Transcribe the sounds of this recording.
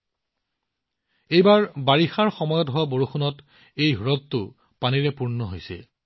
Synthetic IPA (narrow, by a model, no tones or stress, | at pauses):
ejbaɹbaɹixaɹxɔmɔjɔtɦowaboɹuxunɔt | ejɦuɹɔttʊ | paniɹɛpuɹnɔɦojsɛ̰